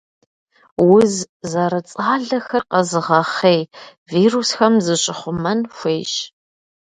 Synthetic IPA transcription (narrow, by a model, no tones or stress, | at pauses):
wʊz | zɐɾɐt͡sʼaːɮɐxɐrqɐzɨʁɐχej | viːruːsxɐmzɨɕʼɪχʷʊmɐnxʷeːɕ